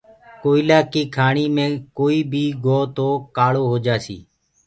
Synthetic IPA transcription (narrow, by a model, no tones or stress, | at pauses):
koːilaːkiːkʰaːɳiːmẽːkoːiːbʱiːɡʱoːt̪oːkaːloːɦoːd͡ʒaːsḭː